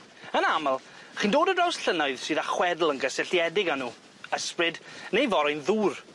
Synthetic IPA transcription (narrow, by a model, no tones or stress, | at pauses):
ənaməlˠ | χiːndoːdədrawsɬənaɨðsɨːðaχwɛdl̩ˠənɡəsɪɬjɛdɪɡanuː | əsprɨdnejvɔɾajnðuːr